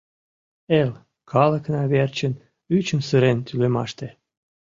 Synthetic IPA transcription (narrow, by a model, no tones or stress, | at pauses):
el | kʰɑlə̆knɑβert͡ɕən | yt͡ɕənsəɾent̪ylemɑ̰ʃt̪e